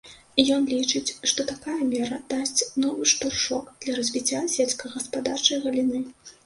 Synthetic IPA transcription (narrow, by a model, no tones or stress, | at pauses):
ijɔnlʲit͡ʂɨt͡sʲʂt̪ɔt̪akajɐmʲɛɾɐd̪̥asʲt͡sʲnɔvɨʂt̪urʂɔkd̪̥lʲɐɾɐzʲvʲit͡sʲːasʲɛlʲskɐɣɐspad̪art͡ʂɐjɣɐlʲinɨ